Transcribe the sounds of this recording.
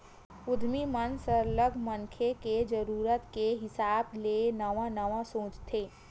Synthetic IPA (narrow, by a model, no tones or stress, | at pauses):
ʊd̪ʱmimənsəɾləɡʱmə̃nkʰeked͡ʒəɾuːɾət̪keɦɪsaːbleːnɐʋãnəʋãsõːt͡ʃt̪ʰeː